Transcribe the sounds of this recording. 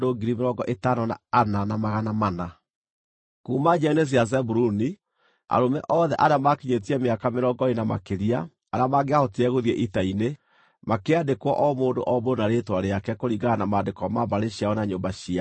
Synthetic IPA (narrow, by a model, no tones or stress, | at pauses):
doɡiɾimeɾɔɡɔʔetanɔna̰ːnanamaɣanamana | kuːmad͡ʒɛnes̬iazɛbuɾuni | a̰ɾomɛʔɔðɛʔaɾeamakiɲet̬iɛmeakameɾɔɡɔenama̰keɾia | aɾamaɡeahɔtiɛɣoðiɛʔitaine | makeadekwɔʔɔmoːndo̰ʔɔbonaɾetwaɾeakɛkoɾiɡaanamaːndekɔmabaɾeɕiaɔnaɲoːmbaɕia